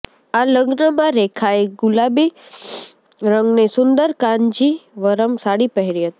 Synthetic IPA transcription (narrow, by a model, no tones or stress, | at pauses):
aləɡnəmãɾekʰaeɡʊlabi | ɾə̃ŋɡnesʊnd̪əɾkãɲd͡ʒiʋəɾəmsaɽipəɦeɾiɦət̪i